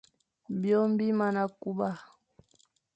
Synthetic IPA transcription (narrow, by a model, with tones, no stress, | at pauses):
bjɔ˦mbi˦ma˨na˨ku˦ba˦